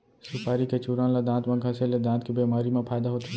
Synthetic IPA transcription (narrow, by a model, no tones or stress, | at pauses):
sɪpaːɾiket͡ʃuːɾãːlad̪ãːnt̪mẽkʰɐseled̪ãːnt̪kibeːmaːɾimẽpʰaːjd̪aɦoːt̪i